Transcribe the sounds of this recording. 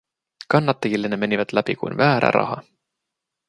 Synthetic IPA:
kɑnːɑt̪ːˑɑɡilːeneme̞nʲivɑd̪̥læpikṵjnvæːɾæ̰ɾʔɑ̰ɦɑ̰

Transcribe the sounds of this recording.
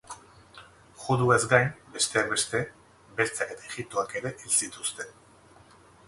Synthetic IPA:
xuðue̞zɡajnbe̞st̪e̞akbe̞st̪e̞ | be̞lt͡sake̞t̪aeɣip̚t̪oake̞ɾe̞ʔilsit̪ust̪e̞n

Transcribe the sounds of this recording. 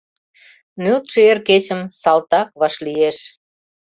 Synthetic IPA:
nyt̪ʃeerket͡ɕə̆msɑlt̪ɑk̚βɑʃlieʃ

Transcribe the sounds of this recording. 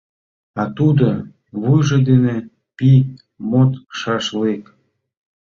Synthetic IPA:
ɑt̪ud̪o | βujʒed̪ene | pi | mot̪ʃɑʃlek

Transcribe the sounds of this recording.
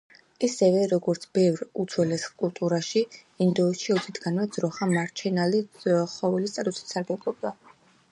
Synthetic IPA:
isɛvɛɾɔɡɔɾt̪sʰb̥ɛvɾut̪sʰwɛlɛskʼulˠt̪ʼuɾaʃi | ind̪ɔːsʃiɔt̪zʰit̪ʰʼɡanmɛd̪z̥ɾɔχamaɾt͡ʃʰɛnaliχɔvɛlist̪ʼat̪ʼusi̥saɾɡɛblˠɔbd̪a

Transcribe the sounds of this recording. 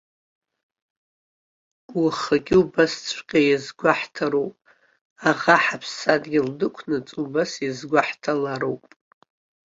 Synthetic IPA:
wuχaɡʲɪubast͡sʷʰqʲʼajazɡʷaħtʰaɾowpʼ | aʁaħapʰsadɡʲɪldɨkʷʰnɨt͡sʼubasjizɡʷaħtʰalaɾowpʼ

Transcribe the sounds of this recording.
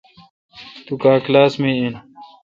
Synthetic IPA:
t̪ukaːklaːsmeːen

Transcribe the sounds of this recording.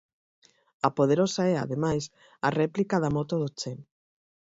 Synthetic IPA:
ɐpoð̞eɾosaɛa̰ðemajs | ɐrɛplikaðamot̪oðot͡ʃen

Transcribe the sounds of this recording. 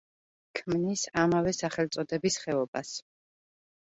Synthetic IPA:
kʰmnisamavɛsaχɛlt̪sʼɔd̪ɛbisχɛɔbas

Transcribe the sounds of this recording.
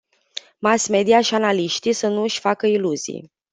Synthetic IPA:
masme̞d̪iaʃianaliʃt̪isənuɨʃʲfakəiluzḭj

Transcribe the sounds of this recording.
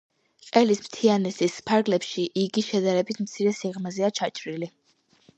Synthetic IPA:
qʼɛlismt̪ʰianɛsispʰaɾɡlɛpʃiʔiɡiʃɛd̪aɾɛbit̪ʰmt̪sʰiɾɛsiʁmazɛat͡ʃʰat͡ʃʼɾili

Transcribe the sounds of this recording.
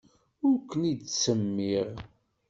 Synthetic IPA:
ʊɾkʷːənid̪səmːiʁ

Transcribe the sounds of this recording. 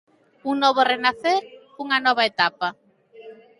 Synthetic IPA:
uŋnɔβorenaθeɾ | uŋanɔβ̞aet̪apa

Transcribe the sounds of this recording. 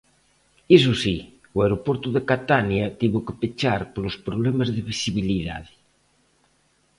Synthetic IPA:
is̬usi | wajɾopoɾt̪uðekat̪anjat̪iβokepet͡ʃaɾpolospɾoβlɛmazðeβisiβiliða̰ðɪ̥

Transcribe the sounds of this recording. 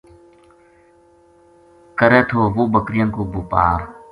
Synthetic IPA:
kəɾeːt̪ʰoːʋoːbəkɾɪjənkoːboːpa̰ːɾ

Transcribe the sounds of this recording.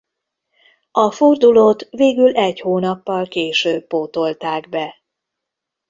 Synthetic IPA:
ɒford̪uloːt̪ʋeːɡylɛɟhoːnɒpːɒlkeːʃøːbːoːt̪o̞lt̪aːɡbɛ

